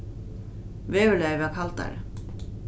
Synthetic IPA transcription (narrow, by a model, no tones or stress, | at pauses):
vɛːvʏlɛvakʰalt̪a̰ɾ̰